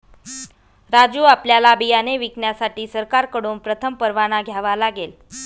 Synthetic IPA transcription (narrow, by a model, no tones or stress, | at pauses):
ɾad͡zuːapljalabijaneʋikɳjasaʈiːsəɾkaɾkəɽonpɾət̪ʰəmpəɾʋañaɡʱjaʋalaɡel